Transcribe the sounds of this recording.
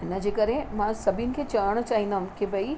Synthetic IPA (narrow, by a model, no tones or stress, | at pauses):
ɪnə̆d͡ʑeːkɐɾemãsɐbʱinɪ̆kʰeːt͡ɕɐʋəɽ̃t͡ɕaːɦĩnd̪ɐɦʊ̃mkebɐi